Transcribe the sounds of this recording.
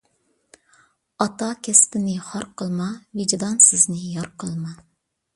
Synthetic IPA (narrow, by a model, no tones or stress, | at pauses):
ɑt̪ɑkʲʰɛst̪ɪnɪχɑɾqʰəlˠmɑvɪd͡ʒd̪ɑnsɪznɪjɑɾqʰəlˠmɑ